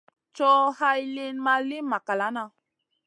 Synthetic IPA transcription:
t͡ʃɔ˦ha˦jli˦nma˧li˦ma˨ka˨la˦na˧

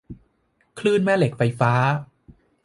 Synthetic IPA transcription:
kʰlɯː˥˩nmɛː˥˩le˨˩k̚fa˧jfaː˦˥

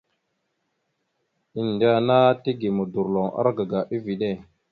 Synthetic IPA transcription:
i˨n˨de˦a˨na˦ti˦ɡi˨mu˨du˨ɾlo˨ŋa̰˦ɾɡa˨ɡa˨ʔi˦vi˨ɗe˦˨

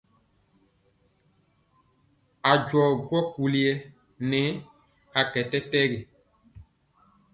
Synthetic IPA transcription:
a˨d͡ʒwɔ˨ɡwɔ˦ku˨li˨ɛ˦ | nɛ˨˦ | a˨kɛ˨tɛ˦tɛ˦ɡe˨

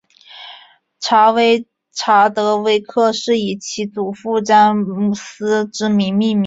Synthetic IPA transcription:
ʈ͡ʂʰa˧˥we˧˥ɪ | ʈ͡ʂʰa˧˥t̪ɤ˧˥we˧˥ɪkʰɤ˥˧ʂɻ̩˥˩i˨˩t͡ɕʰi˧˥t͡su˨˩fu˥˧ʈ͡ʂa˥nmu˥˩sɹ̩˥ʈ͡ʂɻ̩˥mi˧˥nmi˥˩˧mi˧

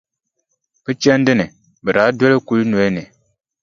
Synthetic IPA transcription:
b̥ɨ˦t͡ʃɛ˦n˦dɨ˦nɪ˨ | bɨ˨ɾa˨˦dwɛ˦le˦ku˦lno˨˦e˦ni˨

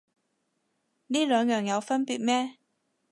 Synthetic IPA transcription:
niː˥lœː˨˧ŋjœː˨˩ŋjɐ˨˧wfɐ˥npiː˨˧t̚mɛː˥

